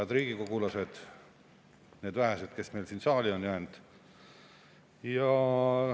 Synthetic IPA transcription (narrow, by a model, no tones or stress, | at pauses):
ɑd̪riːɡ̥ikoɡ̥ulɑse̞d̪̥ | neːd̪væɦese̞d̪̥ke̞sme̞jlsiːnsɑːlʲionjæːnd̪̥ | jɑ